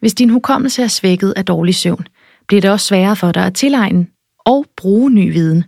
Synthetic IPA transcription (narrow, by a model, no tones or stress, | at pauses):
ʋe̝sd̥inɦukʰɒ̽m̰l̩t͡sʰeæsʋeɡ̥ð̞̩ˠæd̥ɒːlisøʊ̰n | b̥liɐɾ̥e̝ɒ̽sːʋɛːɐfɒ̽ɾ̥ɑ̈ɪæt͡sʰe̝lɑ̈ɪnə | ʔɒʊb̥ʁuːny̰ːʋiːð̞ˠn̩